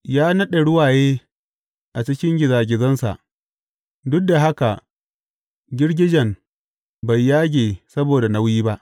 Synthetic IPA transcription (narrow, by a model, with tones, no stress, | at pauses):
jaː˦nɐ˦ɗe˨ɽʊ˦waː˨jeː˦ | ʔa˨t͡ʃɪ˦kʲɪ˦ŋɡʲɪ˨zaː˨ɡʲɪ˨zɐ˦nsa̰˨ʔ | dʊ˦k̚da˨ɦa˦ka˨ʔ | ɡʲɪ˦ɽɡʲɪ˦d͡ʒɛ˨m | ba˨jːaː˦ɡʲeː˨sɐ˦boː˨da˨na˦wjiː˦ba˦ʔ